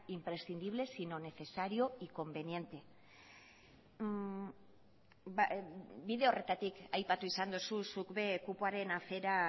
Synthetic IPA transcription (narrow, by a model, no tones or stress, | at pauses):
impɾe̞sθind̪iβ̞le̞sinone̞θe̞saɾio̞iko̞mbe̞nije̞nt̪e̞ | biðe̞o̞re̞t̪at̪ikajpat̪uisand̪ususukβe̞kupuaɾe̞nafe̞ɾa